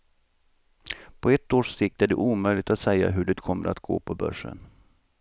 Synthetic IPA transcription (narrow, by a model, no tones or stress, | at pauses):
pʰɔɛt̪ːoːʂsɪk̚t̪æɖɛ̰ʔuːmœjlɪt̪at̪sɛja̰ɦɵɖɛt̪kʰɔmːəɾat̪ɡ̥o̰ːpʰɔbœ̰ʂːə̰n